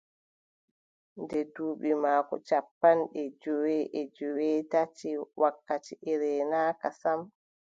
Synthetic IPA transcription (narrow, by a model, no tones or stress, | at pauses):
ndɛduːɓimaːkɔ̰t͡ʃapːanɗɛd͡ʒɔwɛʔɛd͡ʒɔwɛtatiwʔakːatiʔɛɾɛːnaːkasam